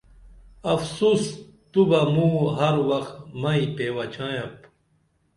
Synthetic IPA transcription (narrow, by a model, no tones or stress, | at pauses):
ɐfsuːs | t̪ubɐmũːɦɐɾwɐxt̪mɐipeːwɐt͡ɕʰãːjɐ̃p